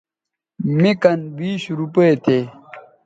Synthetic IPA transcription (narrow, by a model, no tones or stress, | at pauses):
mikɐnbiːɕɾupeet̪ʰeː